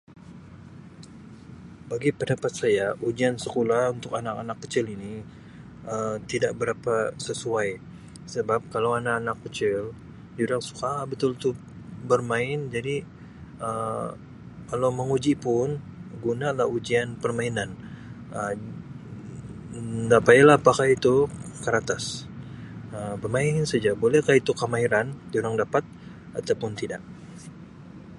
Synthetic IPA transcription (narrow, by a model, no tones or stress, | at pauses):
baɡipədapat̪̚sajaʔud͡ʒiansəkolahunt̪ʊkanakanakːə̥t͡ʃɪlini | ət̪idaʔ̚bəɾapasəsuaj | səbap̚kalawanaːnakːət͡ʃɪl | d͡ʒudaŋsu̥kabət̪ʊlt̪u | bərmaɪnd͡ʒadi | ə | kalawməŋud͡ʒipʊnɡunalahud͡ʒianpərmainan | ə | dapaalapakait̪ukəɾat̪as | əbərmaɪnsad͡ʒabolɛhkait̪ukəmaiɾanduɾaŋdapat̪̚ | a̰t̪awpʊnt̪ida̰ʔ